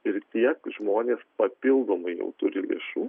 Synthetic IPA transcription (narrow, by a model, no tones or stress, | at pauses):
ɪɾt̪ʲiɛkʒmoːnʲeːspɐpʲɪlˠd̪oːmɐɪjɛ̰ʊt̪ʊɾʲɪlʲḛʃuː